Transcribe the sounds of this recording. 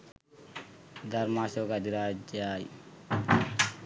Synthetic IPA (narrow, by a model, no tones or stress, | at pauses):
d̪aɾmasokad̪iɾad͡ʒaj